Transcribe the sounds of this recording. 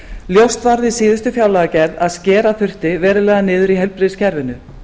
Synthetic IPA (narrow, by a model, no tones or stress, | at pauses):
ljowst̪vaɾðɪsiːðʏst̪ʏfjaːwlaɣacɛɾðaðscɛːɾaθʏr̥t̪ɪvɛːɾʏlɛːɣðanɪːðʏɾiɦɛlpɾɪðscʰɛɾvɪnʏ